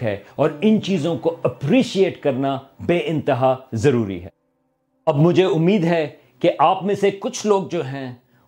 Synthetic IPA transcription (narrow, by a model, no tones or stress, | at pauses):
ɦɛ̰ɔːɾɪnt͡ʃiːzõkoɐpɾiːʃieːʈkɐɾnabeːɪ̃nt̪ɪɦazɐɾuːɾḭɦɛ̰ː | ɐbmʊd͡ʒʱeʊmːiːd̪ɦɛ | keʔaːpmẽsekʊt͡ʃʰloːɡ̚d͡ʒoːɦɛ̃ː